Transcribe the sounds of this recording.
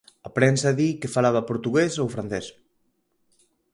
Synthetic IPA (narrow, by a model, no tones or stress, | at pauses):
apɾɛnsaðikefalaβapoɾt̪uɣezowfɾanθɛs